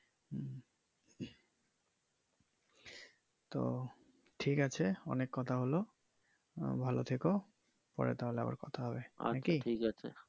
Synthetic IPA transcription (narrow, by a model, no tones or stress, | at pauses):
t̪o̰ | ʈʰikat͡ɕʰeɔ̰nekːɔt̪ʰaɦolo | bʱalo̰t̪ʰeko | pɔ̰ɾḛt̪aɦolea̰ba̰ɾkɔt̪ʰaɦɔbea̰akiʈʰikat͡ɕʰḛ